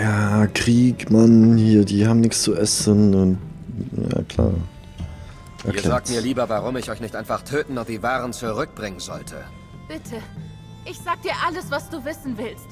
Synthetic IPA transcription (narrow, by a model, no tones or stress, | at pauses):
jaːkʁ̥iːkmanhiːɐdiːhaːbm̩nɪçkst͡suʔɛsənʊntja̰ːkʰl̥a̰ːɐ | ʔɛɐiːɐlɛzaːk̚tmiːɐliːbɐvaʁʊmɪçʔɔʏçnɪçtʔaɪnfaχtʰøːtn̩nɔχd̥iːvaːʁənt͡suʁʏk̚b̥ʁɪŋənzɔ̰ltʰə̰ | b̥ɪtʰə | ʔɪçz̥aːɡəd̥iːɐʔaləsv̥asd̥uːvɪsn̩vɪlst